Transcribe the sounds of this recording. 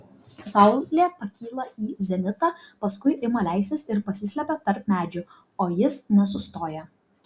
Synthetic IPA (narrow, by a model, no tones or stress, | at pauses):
sɐʊllʲeːpɐkʲiːlˠɐiːzʲɛnʲɪt̪ɑpɐskʊɪʔɪmɐlʲæˑɪsʲɛsɪɾpɐsʲɪsʲlʲɛpʲɛt̪ɐɾpmʲæːd͡ʒʲʊ | oːjɪsnʲɛs̬ʊst̪oːjɛ